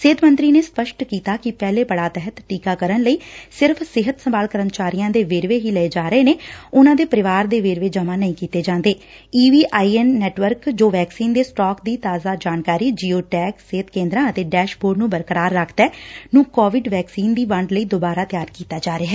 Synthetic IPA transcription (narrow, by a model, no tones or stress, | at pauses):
seːt̪mə̃nt̪ɾiːneːspəʃʈkiːt̪aːkɪpɛːleːpəɽaːt̪ɛɦət̪ʈiːkaːkəɾənləiːsɪɾpʰsɪɦət̪səmbaːlkəɾəmt͡ʃaːɾijãːd̪eːʋeːɾʋeːɦiːləeːd͡ʒaːɾəeːneːʊnãːd̪eːpəɾɪʋaːɾd̪eːʋeːɾʋeːd͡ʒəmãːnəĩkiːt̪eːd͡ʒãːnd̪eː | iːʋiːʔaːiːɛnːɛːʈʋəɾkd͡ʒoːʋɛːksiːnd̪eːsʈɔːkd̪iːt̪aːzaːd͡ʒaːnkaːɾiːd͡ʒiːoːʈɛːkseːt̪kẽːnd̪ɾãːət̪eːɖɛːʃboːɾnũːbəɾkəɾaːɾːəkʰt̪ɛːnũːkɔːʋɪɖʋɛːksiːnd̪iːʋəɳɖləiːd̪oːbaːɾaːt̪ɪjaːɾkiːt̪aːd͡ʒaːɾeːɦɛː